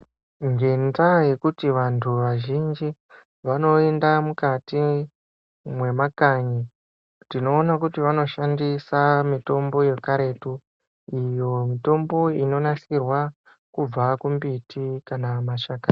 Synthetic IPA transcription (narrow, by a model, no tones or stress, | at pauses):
ŋɡe̞ntaje̞kutiʋantʰuʋaʒind͡ʒi | ʋano̞endamukati | mwe̞makaɲi | tino̞ːnakutiʋano̞ʃandisamito̞mbo̞je̞kaɾe̞tu | ijo̞mito̞mbo̞ino̞nasirwa | kub͡vakumbitʰikanamaʃaka